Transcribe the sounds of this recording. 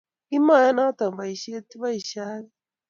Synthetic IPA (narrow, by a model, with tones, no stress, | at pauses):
i˦ma˦˨ja˦na˦t̪a˨ba˨i˨ʃe˦t̪i˦βa˦i˨ʃaː˦βi˦